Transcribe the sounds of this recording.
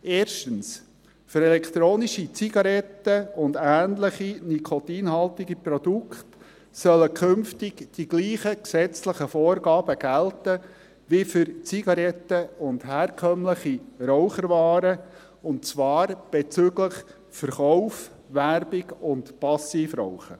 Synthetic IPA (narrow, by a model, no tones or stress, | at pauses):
ʔeːɾʃtəns | fʏɾɛlɛkt̪ɾoːniʃit͡siɡ̥ɑɾɛtːəʊndæːnləχinikʰɔt̪iːnɦɑltɪɡiprɔd̥ukχt | sœləkʰʏmftɪɡd̥iɡliːχəksɛt͡sləχəfoːɾɡɑːb̥əɡ̥æltə | ʋifʏɾt͡siɡ̥ɑɾɛtːəʊndhæːrkʰœmləχiɾɔʊχəɾvɑːɾə | ʊntt͡svɑːɾb̥ɛt͡sʏɡləχ | fəɾχɔʊf | ʋærbɪɡʊntpɑsiːfrɔ̰ʊχə